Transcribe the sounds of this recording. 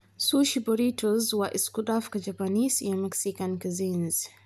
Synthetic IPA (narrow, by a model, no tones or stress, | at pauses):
suʃibɔɾitʰɔzwaʔiskudafkad͡ʒapanisjamɛksikankazinz